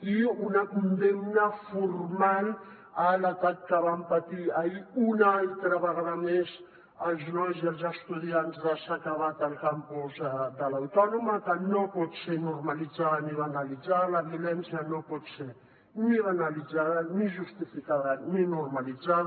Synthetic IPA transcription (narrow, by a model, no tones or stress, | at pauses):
iunakund̪emnafurmal | alat̪at̪kaβampat̪iaiunalt̪ɾaβaɣaðames | aznozalzast̪uðiantzaʃakaβat̪alkampozad̪alawt̪onomat̪anopɔt͡ʃenormalid͡zaðaniβanalid͡zaðalavjolɛnsjanopɔse | niβanalid͡zaðaniʒust̪ifikaðaninormalizað